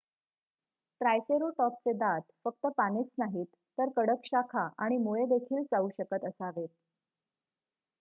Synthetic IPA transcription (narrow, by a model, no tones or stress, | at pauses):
ʈɾajseɾoʈɔp̚t͡sed̪at̪fək̚t̪əpanet͡snaɦiːt̪ːəɾkəɽəkɕakʰaʔaɽ̃imuɭed̪ekʰiːlt͡sauɕəkət̪əsaʋet̪̚